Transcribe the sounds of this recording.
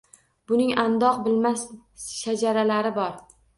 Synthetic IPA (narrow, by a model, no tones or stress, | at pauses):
bʊnɪŋand̪ɒqbɪlmasʃad͡ʒaɾalaɾɪbɒɾ